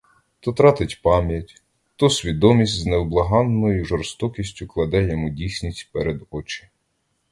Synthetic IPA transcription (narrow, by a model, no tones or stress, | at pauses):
t̪ɔt̪ɾɑt̪ɪtʲpɑmʲjɐtʲ | t̪ɔsʲʋʲid̪ɔmʲisʲtʲznɛwblˠɐɦɑnːɔjʊʒɔrst̪ɔkʲisʲtʲʊklˠɐd̪ɛjɔmudʲisʲnʲisʲtʲpɛɾed̪ɔt͡ʃɪ̥